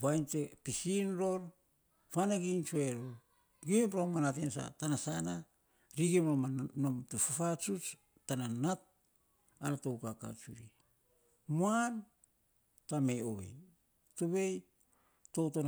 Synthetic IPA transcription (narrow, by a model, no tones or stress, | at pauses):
βajntepisinɾo̞ɾ | fanaɡint͡ʃueɾoɾ | ɡipɾomanatensa̰tanasana | ɾiɡimɾomanomtufafat͡ʃut͡ʃ | tananat̚ | aɾatowkaka̰t͡ʃṵɾi | muan | tame̞oβe̞̰j | toβe̞j | to̞ton